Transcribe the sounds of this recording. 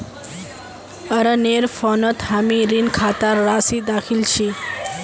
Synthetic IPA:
əɾəneɾfʰonət̪hamiɾinkʰaːt̪aɾːasid̪akʰilt͡ʃʰi

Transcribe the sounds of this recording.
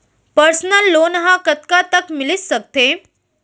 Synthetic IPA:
pəɾsnəlːonɦãkət̪kat̪əkmilisək̚t̪e

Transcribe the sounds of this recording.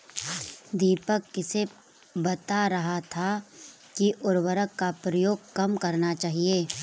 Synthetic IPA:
d̪iːpəkːɪse | bɐt̪aɾɐɦat̪ʰa | kiʔʊɾwəɾəkːapɾəjoːɡ̚kɐmkɐɾnat͡ʃaːɦieː

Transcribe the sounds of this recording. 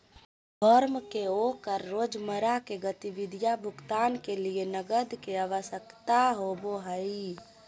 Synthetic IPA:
b̪ʱɔɾmkeokəɾːoːd͡ʒməɾakeɡət̪iʋɪd̪ʱijabʱʊɡt̪aːnkelienəɡəd̪keaʋəsəkt̪aɦoboɦəi

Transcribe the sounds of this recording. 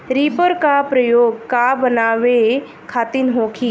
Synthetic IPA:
ɾiːpəɾkapɾəjoːɡkabənaːʋe | kʰaːt̪inɦoːkʰiː

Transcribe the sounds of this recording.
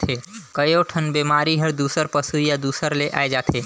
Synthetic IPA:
t̪ʰekəjoʈʰənbeːmaːɾiɦəɾd̪uːsəɾpəsujad̪uːsəɾleʔa̰ːed͡ʒaːt̪ʰeː

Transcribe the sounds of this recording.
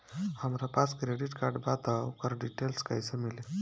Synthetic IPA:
hamɾapat͡skɾeɽiʈkaɾɖbat̪aukəɾɖiʈelskajsəmile

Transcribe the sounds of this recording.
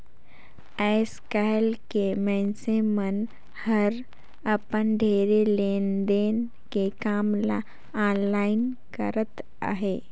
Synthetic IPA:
ɛɪskaːlkemɛ̃ːnsemən | həɾ | əpənɖʱeːɾeleːnd̪eːn | kekaːmla | aːnlaːɪnkə̰ɾət̪ | a̰ɦeː

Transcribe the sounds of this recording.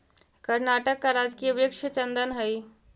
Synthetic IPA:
kəɾnaʈəkːaɾad͡ʒkijəbɾɪkʂt͡ʃənd̪ənɦəj

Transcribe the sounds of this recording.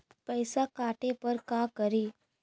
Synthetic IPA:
pəjsakaʈepəɾkakəɾiː

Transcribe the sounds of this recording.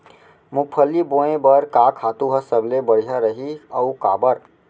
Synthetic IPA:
mupʰəlːiboẽbəɾkakʰat̪uɦəsəblebəɽ̤ijaɾəɦiəukabəɾ

